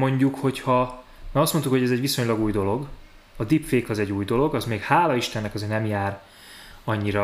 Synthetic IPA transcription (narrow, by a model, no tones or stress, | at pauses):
mo̞ɲɟukho̞chɒ | mɛːɒst̪mo̞nt̪ukho̞ɟɛzɛɟʋisoɲlɒɡuːjd̪o̞lo̞ɡ | ɒd̪ipfeːkɒzɛɟuːjd̪o̞lo̞ɡɒzmeːkhaːlɒiʃt̪ɛnːɛkɒzeːrnɛmjaːr | ɒɲːiɾɒ